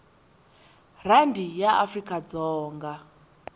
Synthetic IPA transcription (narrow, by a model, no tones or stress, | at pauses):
randijaʔafrikʼad͡zɔːŋɡa